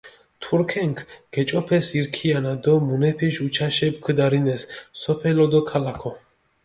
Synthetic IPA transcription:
t̪ʰuɾkʰɛŋkʰɡ̥ɛt͡ʃʼɔpʰɛsiɾkʰianad̪ɔmunɛpʰiʃut͡ʃʰaʃɛb̚kʰd̪aɾinɛssɔpʰɛlɔd̪ɔkʰalakʰɔ

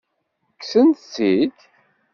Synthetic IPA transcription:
kːsənt̪siç

